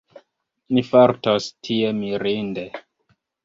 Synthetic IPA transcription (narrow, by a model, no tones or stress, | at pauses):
nifaɾtostʰiemiɾinde